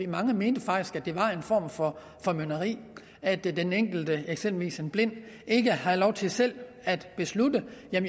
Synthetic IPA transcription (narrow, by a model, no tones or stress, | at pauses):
imɑ̈ŋəme̝ːnd̥əfɑ̈ɡ̥d̥isɡ̥æd̥e̝ʋɑ̈e̝nfɒ̰ːmfɒ̽ | fɒ̽mønɐʁḭː | æd̥deneŋ̰ɡ̥l̩d̥əeɡ̥semb̥l̩ʋḭːsenb̥le̝n̰ | e̝ɡ̥əhælɒʊt͡sʰe̝lsel̰ | æd̥b̥e̝sludəjæm